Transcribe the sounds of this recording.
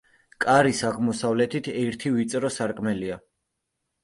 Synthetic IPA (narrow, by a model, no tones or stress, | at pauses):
kʼaɾisaʁmɔsavlɛt̪ʰit̪ʰɛɾt̪ʰivit̪sʼɾɔsaɾkʼmɛlia